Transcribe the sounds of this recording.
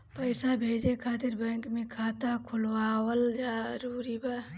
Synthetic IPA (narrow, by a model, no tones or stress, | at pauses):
pəɪsabʱeːd͡ʒekʰaːt̪ɪɾbɛ̃ŋkmẽkʰaːt̪akʰʊlwaːwəld͡ʒaːɾuːɾiba